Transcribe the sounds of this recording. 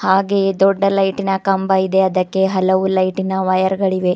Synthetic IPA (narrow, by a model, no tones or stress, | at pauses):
haːɡed̪ɔɖːɐlɐjʈinɐkɐmbɐjid̪e̞ɐd̪ɐkːe̞ɦɐlɐʋulɐjʈinɐʋɐjɐɾɡɐɭiʋe̞